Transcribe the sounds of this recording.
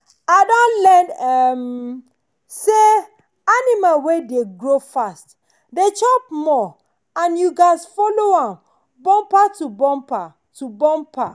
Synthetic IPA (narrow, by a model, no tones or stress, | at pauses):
aɪdɔ̃nlɛ̃ndɛm | se | animalwedeɡɹofast | det͡ʃɔpmɔ | ãnjuɡaɪsfɔloãm | bɔ̃mpatubɔ̃mpa | tubɔ̃mpa